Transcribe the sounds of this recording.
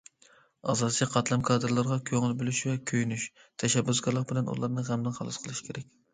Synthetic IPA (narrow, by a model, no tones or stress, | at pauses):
ɑ̰zɑd̪ɨt͡ʃʰiqʰɑt̪lˠɑmkʰɑːd̪ɨɾlˠɑɾʁɑkʲʰøŋɪlbølyʃvɛkʲʰøjnyʃt̪ʰɛʃɛbːysɡɑɾlˠəq̚bɪlɛnṵlˠɑɾnɨʁæmlɨnχɑlˠɑsqʰəlˠɨʃi̥kʰʲeɾɛkʲ